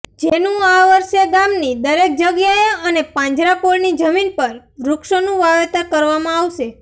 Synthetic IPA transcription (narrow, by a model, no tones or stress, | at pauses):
d͡ʒenũaʋəɾʃeɡamnid̪əɾek̚d͡ʒəɡjaeənepãɲd͡ʒɾakoɭnid͡ʒəminpəɾ | ɾʊkʃonũʋaʋet̪əkəɾʋamãaʋʃe